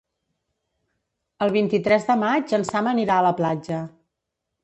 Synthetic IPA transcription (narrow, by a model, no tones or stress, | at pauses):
əlˠβ̞int̪it̪ɾɛzðəmad͡ʒənsaməniɾaələplad͡ʒə